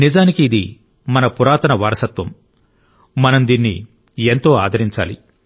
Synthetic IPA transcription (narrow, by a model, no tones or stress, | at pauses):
nid͡ʒaːnikiːd̪ḭ | mɐnɐpuɾaːt̪ɐnɐʋaːɾɐsɐt̪ʋɐm | mɐnɐmd̪iːnːḭ | ent̪o̞ːaːd̪ʱɐɾiɲt͡ʃa̰ːlḭ